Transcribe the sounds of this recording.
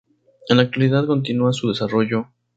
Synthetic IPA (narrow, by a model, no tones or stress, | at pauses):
enlak̚t̪waliðaðko̞nt̪inuasuð̞e̞saro̞ʝo